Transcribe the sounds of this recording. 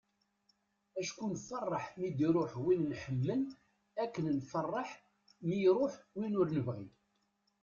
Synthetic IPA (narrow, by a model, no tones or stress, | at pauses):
æʃkunfɑrˤːɑħmid̪iɾʊħwinnħəmlən | ækːənnfərˤːɑħ | mijɾʊħwinʊɾnəvʁḭ